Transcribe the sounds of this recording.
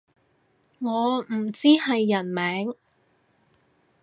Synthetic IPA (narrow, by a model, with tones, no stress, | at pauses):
ŋɔː˨˧m̩˨˩t͡siː˥hɐ˨jːɐ˨˩nmɛː˨˥ŋ